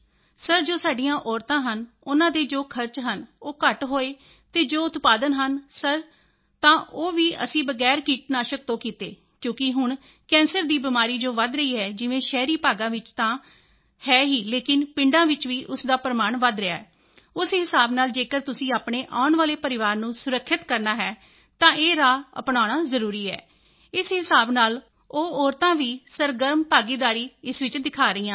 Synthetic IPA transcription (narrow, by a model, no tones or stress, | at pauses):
səɾd͡ʒoːsaːɖijãːʔɔːɾt̪ãːɦən | ʊnãːd̪eːd͡ʒoːkʰəɾt͡ʃɦənoːkəʈɦoːeː | t̪eːd͡ʒoːʊt̪paːd̪ənɦənsəɾ | t̪ãːʔoːʋiːʔə̰sĩːbəɡɛːɾkiːʈnaːʃək̚t̪õːkiːt̪eː | kjõːkɪɦʊɳ | kɛ̃ːnsəɾd̪iːbɪmaːɾiːd͡ʒoːʋəd̪ɾəiːɦɛːd͡ʒɪʋẽːʃɛːɾiːpaːɡãːʋɪt͡ʃt̪ãː | hɛːɦiːleːkɪnpɪ̃ɳɖãːʋɪt͡ʃʋiːʔʊsd̪aːpɾəmaːɳʋəd̪ɾəa̰ːɛː | ʊsɦɪsaːbnaːld͡ʒeːkəɾt̪ʊsĩːaːpɳeːʔaːʊɳʋaːleːpəɾɪʋaːɾnũːsʊɾəkʰːɪt̪kəɾnaːɦɛː | t̪ãːʔeːɾaːə̰pɳaːɽ̃ãːzəɾuːɾiːɛ̰ː | ɪsɦɪsaːbnaːl | oːɔːɾt̪ãːʋiːsəɾɡəɾmpaːɡiːd̪aːɾiːɪsʋɪt͡ʃd̪ɪkʰaːɾəiːãː